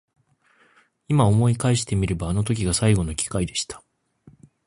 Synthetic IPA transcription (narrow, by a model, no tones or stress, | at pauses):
imao̞mo̞ikaiɕi̥t̪e̞mʲiɾe̞baːno̞t̪o̞k̬ʲiɡasaiɡo̞no̞kʲi̥kaid̪e̞ɕi̥t̪ḁ